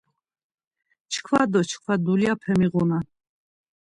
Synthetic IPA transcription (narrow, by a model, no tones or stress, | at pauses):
t͡ʃʰkʰvad̪ɔt͡ʃʰkʰvad̪uliapʰɛmiʁuna